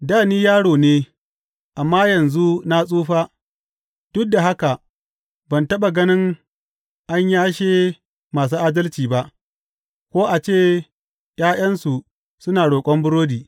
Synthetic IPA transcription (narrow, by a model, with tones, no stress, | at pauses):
daː˦˨niː˦jaː˦ɽoː˨neː˦ | ʔa˨mːaː˦jɐ˨nzu˦na˦sʼuː˦ɸaː˦ | d̥ʊ˦k̚da˨ɦa˦ka˨ | bɐ˨ntɐ˦ɓa˨ɡɐ˦nɪ˦ŋ | ʔa˦ɲjaː˦ʃeː˦ | maː˨s̬uː˦ʔaː˦dɐ˦lt͡ʃiː˨ba˦ʔ | kʷoː˦ʔa˨t͡ʃeː˦˨ | j̰aː˦j̰ɐ˦nsu˨ | sʊ˦naː˨ɽoː˨kʷʼɔ˦mbʊ˦ɽoː˦diː˨